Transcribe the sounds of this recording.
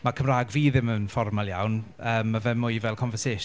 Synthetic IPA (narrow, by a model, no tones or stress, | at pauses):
makʰəmraːɡviːðɪmənfɔrmalˠjawn | əːmːavɛmʊjvɛlˠkʰɔnvəseːʃ